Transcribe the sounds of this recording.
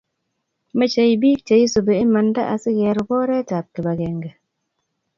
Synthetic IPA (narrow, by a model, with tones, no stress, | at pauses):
me˦t͡ʃe˨i˨bi˦k̚t͡ʃe˨i˦so˨be˨e˦ma˨n˦da̰˦ʔa˨si˦ɣɛ˨ɾu˨bɔ˦ɾɛ˦ta˨p̚ke˨ba˨ɡɛ˨ŋɡe˨